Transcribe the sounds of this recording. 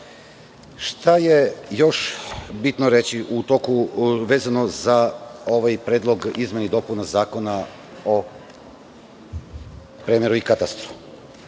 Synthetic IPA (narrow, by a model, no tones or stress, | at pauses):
ʃt̪aje̞jo̞ʃbit̪noɾet͡ɕiʔut̪okuʋe̞ːzanozao̞ʋajpɾeːd̪lˠoɡizmenid̪o̞punazaːko̞na | o | pɾemeɾuikat̪ast̪ɾu̥